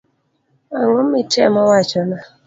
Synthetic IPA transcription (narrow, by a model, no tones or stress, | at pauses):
aŋomːɪtɛmɔwat͡ʃɔna